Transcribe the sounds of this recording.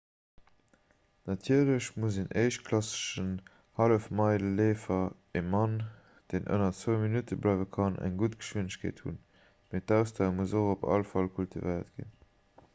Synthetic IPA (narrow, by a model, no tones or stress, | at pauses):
nɑtʰiɐləɕmuzenʔəɪʃtkʰlɑsə̥ʃən | hɑləfmɑɪləleːfɐ | emɑn | d̥eːnʔə̰nɐt͡svəʊminutʰəblɑɪvəkʰɑnʔæ̰ŋɡutɡ̥ə̥ʃwiənəɕkʰḛːthṵn | meːtæʊstaːmuzoχopɑ̰lfɑlkʰultʰivəɪɐ̰tɡ̥ḭn